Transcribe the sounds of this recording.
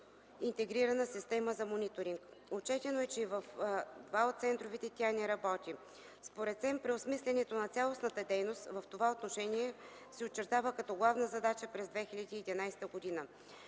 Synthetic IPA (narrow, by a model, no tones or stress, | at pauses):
int̪ɛɡɾiɾɐnəsist̪ɛməzɐmonit̪oɾiŋkot͡ʃɛt̪ɛnoɛt͡ʃɛivəfd̪vaot̪t̪sɛnt̪ɾovit̪ɛt̪ʲianɛɾɐbɔt̪ʲi | spoɾɛt̪sɛmpɾɛosmislʲɛnɛt̪onɐt̪sʲalˠosnɐt̪əd̪ɛjnost̪vɐft̪ovaot̪noʃɛniɛ | sɛot͡ʃːɛɾt̪avəkɐt̪ɔɡlˠavnəzɐd̪at͡ʃəpɾɛzd̪vɛxilʲɐd̪iːd̪inajst̪əɡod̪inə